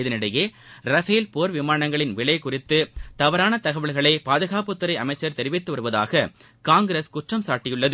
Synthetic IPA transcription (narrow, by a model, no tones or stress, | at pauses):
ɪðɪnɪɽɐjeː | ɾɐfeːlpoːɾʋɪmaːɳɐŋɡɐɭɪnʋɪɭɐjkʊrɪt̪ːɯt̪ɐʋɐɾaːnɐt̪ɐɣɐʋɐɭɣɐɭɐɪpaːðɯɣaːpɯt̪ːɯɾɐɪɐmɐɪt͡ʃːɐɾt̪ɛɾɪʋɪt̪ːɯʋɐɾɯʋɐða̰ːɣɐ | kaːŋɡɪɾeskʊʈrɐmsaːʈːɪjɯɭːɐðɯ